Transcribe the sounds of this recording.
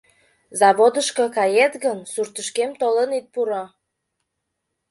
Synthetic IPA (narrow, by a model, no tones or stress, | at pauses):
zɑβod̪əʃkɤkɑjet̪ɣənsurt̪əʃkemt̪olənit̪̚puɾo